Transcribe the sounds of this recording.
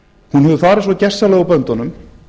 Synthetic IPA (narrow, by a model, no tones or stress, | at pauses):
hunɦɛvðʏfaːɾɪsvɔcɛr̥sːalɛːɣɔpœnt̪ɔnʏm